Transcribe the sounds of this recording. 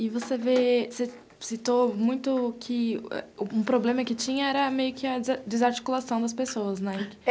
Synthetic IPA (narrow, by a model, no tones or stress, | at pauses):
ɪvosevese | sit̪omũj̃t̪ʊkʰɪɛ̰ʊũpɾoblẽmɐkɪt͡ʃĩɲɐɛɾɐmejʊkɪɐd͡ʒɪzaɾt͡ʃi̥kulasɐ̃w̃d̪ɐs̬pesowɐznɛ